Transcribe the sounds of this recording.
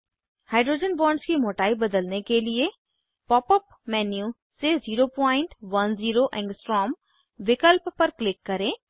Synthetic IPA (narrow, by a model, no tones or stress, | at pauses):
haːɪɖɾoːd͡ʒənbɔːɾɳɖskimoːʈaːibɐd̪əlnekelie | pɔːpəp | mɛːnjũ | seziːɾopɔːɪ̃ɳʈʋɐnziːɾoʔɛ̃ŋɡsʈɾɔːm | ʋɪkəlpːɐɾklɪkːɐɾẽː